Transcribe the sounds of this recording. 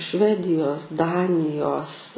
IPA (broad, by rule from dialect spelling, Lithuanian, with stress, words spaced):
ˈʃʲʋʲæːdʲɪjoːs ˈdɑːnʲɪjoːs